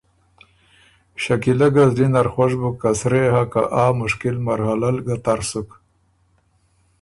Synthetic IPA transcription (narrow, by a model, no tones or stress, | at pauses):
ɕakilaɡazd̪inaɾxwaʂbukːasɾehaka̰ʔaːmʊʂkilmaɾhalalɡat̪aɾsuk